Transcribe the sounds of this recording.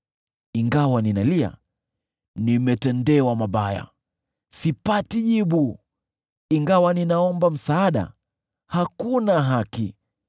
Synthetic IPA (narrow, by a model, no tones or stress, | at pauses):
iŋɡawaninalia̰ | nimɛtɛndɛwamaɓaja̰ | sipatiʄiɓu | iŋɡawaninaɔmbam̩saːɗa̰ | hakunaɦaki